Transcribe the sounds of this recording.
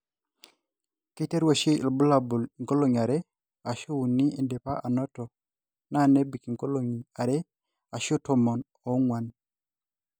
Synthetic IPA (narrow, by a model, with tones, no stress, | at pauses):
ke˦te˦ɾwa˨ʃe˦˨lbu˦la˨bu˨lŋko˦lo˨ŋ˨a˨ɾɛ˦ | a˨ʃo˦u˨ni˦ʔe˨nde˨pa˦ʔa˨nɔ˦tɔ˨ | na˦˨ne˦bi˨ki˨ŋko˦lo˨ŋi˨a˨ɾɛ˦ | a˨ʃo˦tɔ˨mɔ˨n | ɔ˨ŋwa˨n